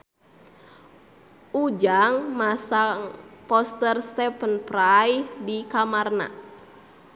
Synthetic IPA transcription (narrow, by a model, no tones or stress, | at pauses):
ud͡ʒaŋmasaŋpɔst̪ərst̪ɛpənprajhdikamarna̰